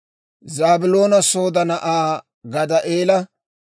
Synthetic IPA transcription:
zaːbɪlo̞ːnɐso̞ːd̪ɐnɐʔaː | ɡɐd̪ɐʔeːlɐ

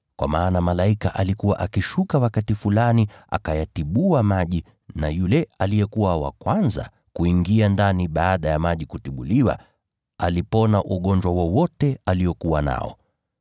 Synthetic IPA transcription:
kwa̰maːnamalaikaʔalikuwa̰ʔakiʃukawakatifulaniʔa̰kajatiɓuamaʄi | najulɛalijɛkuwawa̰kwanza̰ | kuiŋɡiandaniɓaːɗajamaʄikutiɓuliwa̰ | alipɔnaʔuɠɔɲd͡ʒwawɔwɔtɛaliɔkuwana̰ɔ̰

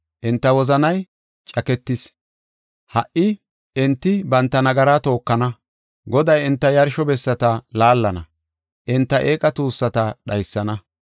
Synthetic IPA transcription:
ʔɪnt̪ːɐwɔzɐnɐj | t͡ʃʼɐkɛt̪ːɪs | hɐʔɪ | ɪnt̪ːɪbɐnt̪ːɐnɐɡɐɾaːt̪o̞ːkːɐnɐ | ɡɔd̪ɐjɪnt̪ːɐjɐɾʃɔbɛsːɐt̪ɐlaːlːɐnɐ̰ | ʔɪnt̪ːɐʔeːkʼɐt̪uːsːɐt̪ɐɗɐjsːɐnɐ

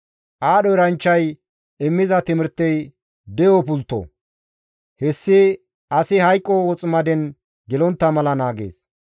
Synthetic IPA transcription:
ʔaːɗɔɾɐnt͡ʃːɐj | ɪmːɪzɐt̪ɪmɪɾt̪ːɛj | d̪ɛjɔpʊlt̪ːo̰ | hɛsːɪ | ɐsɪhɐjkʼːɔwɔt͡sʼɪmɐd̪ɛn | ɡɪlɔnt̪ːɐmɐlɐnaːɡḛːs

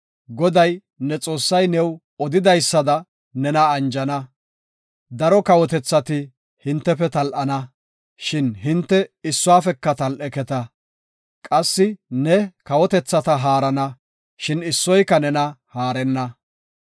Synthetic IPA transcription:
ɡɔd̪ɐj | nɛt͡sʼo̞ːsːɐjnɛw | ɔd̪ɪd̪ɐjsːɐd̪ɐ | nɛnɐːnd͡ʒɐnɐ | d̪ɐɾɔkɐwɔt̪ɛt͡sːɐt̪ɪ | hɪnt̪ːɛfɛt̪ɐlʔɐnɐ | ʃɪnɦɪnt̪ːɛɪsːʊaːfɛkːɐt̪ɐlʔɛkɛt̪ɐ | kʼɐsːɪnɛkɐwɔt̪ɛt͡sːɐt̪ɐɦaːɾɐnɐ | ʃɪnɪsːɔjkːɐnɛnɐhaːɾɛnːɐ

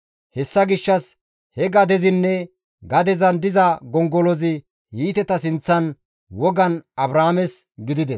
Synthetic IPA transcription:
hɛsːɐɡɪʃːɐs | hɛɡɐd̪ɛzɪnːɛ | ɡɐd̪ɛzɐnd̪ɪzɐɡɔŋɡɔlɔzɪ | hiːt̪ɛt̪ɐsɪnt͡sːɐn | wɔɡɐnɐbɾaːmɛs | ɡɪd̪ɪd̪ɛs

